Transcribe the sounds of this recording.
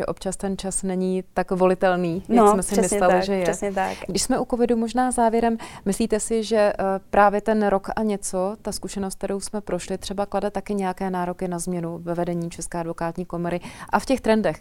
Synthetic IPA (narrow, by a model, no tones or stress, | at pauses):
ʒɛ̰ʔo̞p̚t͡ʃast̪ɛnt͡ʃasnɛɲit̪akvo̞lɪt̪ɛlniːnɛsmɛsɪmmɪslɛlɪʒɛjɛɛsɲɛt̪akɡdɪʃsmɛʔuko̞vɪdumo̞ʒnaːzaːvjɛɾɛmmɪsliːt̪ɛsɪʒɛpɾʔaːvjɛt̪ɛnɾo̞kʔaɲɛt͡so̞t̪askuʃɛnost̪k̚t̪ɛɾowsmɛpɾo̞ʃlɪt̪r̝̥ɛbakladɛt̪akɪɲɛjakɛːnaːɾo̞kɪnazmɲɛnuvɛvɛdɛɲiːt͡ʃɛskɛːadvo̞kaːt̪ɲiːkomoɾɪʔafcɛxt̪ɾɛndɛx